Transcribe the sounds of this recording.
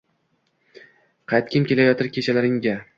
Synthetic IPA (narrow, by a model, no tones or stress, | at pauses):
qʰɑjt̪̚kʲʰɪmkʲe̞lajɒt̪ʰɪɾkʲʰe̞t͡ʃʰalaɾɪŋɡʲa